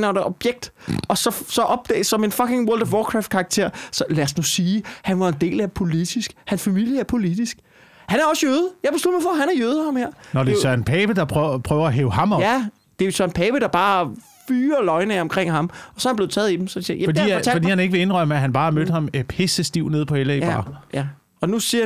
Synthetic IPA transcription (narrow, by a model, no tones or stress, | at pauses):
næʊdɑʔɒ̽b̥jeɡ̥̚d̥ʔɒ̽sɒ̽sɒ̽ʔɒ̽b̥̚d̥ɛ̰ːɪsɒ̽me̝nfɒ̽ke̝ŋwɔld̥wɒːkʰʁɑfd̥̚kʰɑ̈ːɡ̥̚t͡sʰe̝ɐ̰sɒ̽læsnusiːhænʋɑ̈e̝nd̥e̝̰ːlæpʰo̝lid̥isɡ̥hænsfæmil̰jəæɐpʰo̝lid̥isɡ̥ | hænæɐɒ̽sjøːðˠjɑɪb̥eslud̥ɐmɑfɒhænæɐjøːð̞ˠhɑ̈mheɐ̰nɒdesœɐnpʰɛːb̥əd̥ɑ̈pʰʁpʰʁœːʊɐæɦeːʊhɑ̈mɒæ | d̥ejo̝sʰœɐnpʰɛːb̥əɾ̥ɑ̈b̥ɑ̈ː | fyːɐlɒ̽ɪnəɒ̽mkʰʁeŋ̰hɑ̈mɒ̽sɒ̽ɐb̥le̝ðˠt͡sʰɛ̰ːð̩ˠid̥emsɒ̥esijæfɒdḭt͡sʰælfɒdḭhæne̝ɡ̥əʋe̝e̝nʁœməæɦænb̥ɑ̈ːæɐmød̥̚hɑ̈mpʰe̝səsd̥iʊ̰ne̝ð̞̰ˠpʰɒ̽heləi̥ɑ̰jæ | ɒ̽nusiɐ